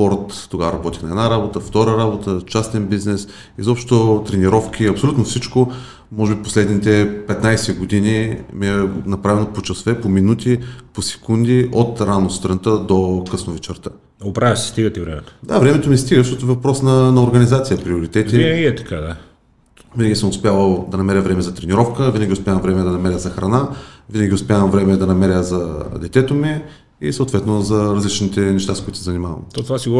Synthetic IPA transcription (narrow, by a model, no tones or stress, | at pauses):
pɔɾt̪ːoɡavəɾɐbɔt̪ixnɐɛd̪naɾabot̪əft̪ɔɾəɾabot̪ət͡ʃast̪ɛnbiznɛs | izɔpʃt̪ot̪ɾɛniɾɔfk̟ʰʲiɐpsolʲut̪nofsit͡ʃko | mɔʒɛbiposlɛd̪nit̪ɛpɛt̪najsɛɡod̪inimiɛnɐpɾavɛnopot͡ʃɐsvɛpominut̪iposɛ̥kund̪iʔot̪ɾanost̪ɾɐnt̪əd̪okəsnovit͡ʃɐɾt̪ə | opɾavʲəsi̥st̪iɡət̪ivɾɛmɛt̪o̥d̪avɾɛmɛt̪omist̪iɡəʃ̬t̪ɔt̪ʊɛvɐpɾɔsnɐnɐoɾɡɐnizat̪sijəpɾioɾit̪ɛt̪iiɛiɛt̪ɐ̥kad̪a | vinɐɡʲisəmʊspʲjalˠəd̪ɐnɐmɛɾʲəvɾɛmɛzɐt̪ɾɛniɾɔfkəvinəɡʲiʊspʲjavɐmvɾɛmɛd̪ɐnɐmɛɾʲəzɐxɾɐnavinəɡʲiʊspɛjavɐmvɾɛmɛd̪ɐnɐmɛɾʲəzɐd̪ɛt̪ɛt̪omi | isəʊt̪vɛt̪nozɐɾɐzlit͡ʃnit̪ɛnɛʃt̪askʊit̪ʊsɛzɐnimavɐ̰mt̪ot̪ovasiɡo